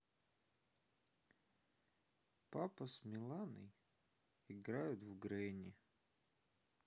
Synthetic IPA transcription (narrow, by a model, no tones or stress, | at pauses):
papəsmʲɪlˠanɨ̰j | ɪɡɾajʊt̪vɡɾɛnʲɪ